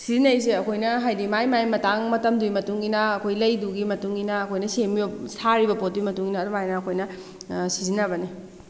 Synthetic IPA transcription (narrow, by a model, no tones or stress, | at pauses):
sizinɐjs̬eɐkʰojnɐɦajdimajmajmɐtaŋmɐtɐmdujmɐtuŋɡinɐːkʰojlɐjduɡimɐtuŋɡinɐːkʰojnɐsemijosaɾibɐpot̚dujmɐtuŋɡinɐːdumajnɐːkʰojnɐ | sizinɐbɐni